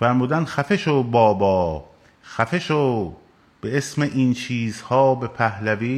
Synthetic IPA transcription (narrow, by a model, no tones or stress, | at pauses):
fæɾmuːd̪ænd̪xæfeʃobɒːbɒː | xæfeʃo | b̥e̞esme̞ʔint͡ʃʰiːzhɒːbe̞pʰæhlæviː